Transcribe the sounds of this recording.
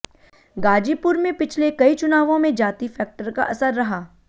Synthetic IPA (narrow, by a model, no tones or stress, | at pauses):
ɡaːd͡ʒiːpʊɾmẽpɪt͡ʃʰlekɐit͡ʃʊnaːʋõmẽd͡ʒaːt̪ifʰɛːk̚ʈəɾka̰ʔɐsəɾːɐɦaː